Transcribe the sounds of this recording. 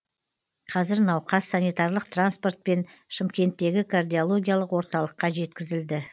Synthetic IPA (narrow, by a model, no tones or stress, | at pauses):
qʰɑzɪɾnɑwqɑsːanijt̪ɑrlˠəq̚t̪ranspo̞rt̪̚pe̞n | ʃɪmkʲe̞nt̪ːe̞ɡʲɪkʰard̪ijolˠo̞ɡʲijalˠəqwo̞ɾt̪ɑlˠəqːɑʒe̞t̪kʲɪzɪld̪ɪ